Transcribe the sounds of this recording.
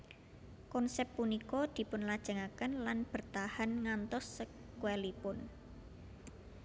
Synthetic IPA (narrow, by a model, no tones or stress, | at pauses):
kɔnsɛpːunikɔd̪̥i̤pʊnlad̥ʒ̥ə̤ŋakənlanb̥ə̤rt̪ahanŋant̪ɔsːə | kuɛlipʊn